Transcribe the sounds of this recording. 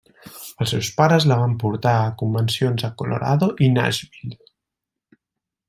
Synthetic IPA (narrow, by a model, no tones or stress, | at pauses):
əlˠsewspaɾəzləβ̞ampuɾt̪aːkumbənsionzəkolo̰ɾa̰ðoʔina̰zβil